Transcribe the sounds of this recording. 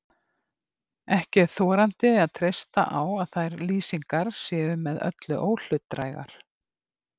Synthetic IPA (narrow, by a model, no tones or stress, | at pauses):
ɛhcɪɾθɔːɾant̪ɪaðt̪ʰɾejst̪a̰ʔawaðθajɾliːsiŋkaɾ̥sjɛːvʏmɛðœ̰t̪lʏʔoːwl̥ʏt̪ːɾaːjɣa̰ɾ̥